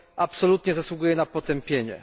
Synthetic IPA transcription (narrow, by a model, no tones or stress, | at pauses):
apsɔlut̪ɲɛzaswuɡujɛnapɔt̪ɛmpʲjeɲɛ̰